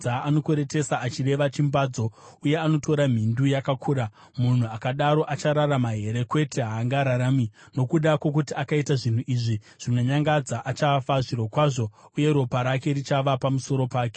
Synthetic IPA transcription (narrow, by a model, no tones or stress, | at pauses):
aano̞kweɾe̞te̞saat͡ʃire̞ʋat͡ʃimbaːd͡zo̞ | uje̞ano̞tʰo̞ɾam̤indujakakʰuːɾa | mun̤uakaɗaɾo̞ʔat͡ʃaɾaɾamaɦe̞ɾe̞kwe̞tʰe̞ɦaːŋɡaɾaɾaːmino̞kuɗakwok̬utiakaitaʐin̤uʔiʐi | ʐ̥inoɲaŋɡad͡zaʔat͡ʃafaʐiɾo̞kwaːʐo̞uje̞ɾo̞paɾake̞rit͡ʃaʋapamuso̞ɾo̞paːke